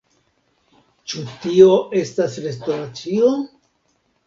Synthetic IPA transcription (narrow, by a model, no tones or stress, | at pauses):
t͡ʃutioʔe̞stasɾe̞stoɾat͡sio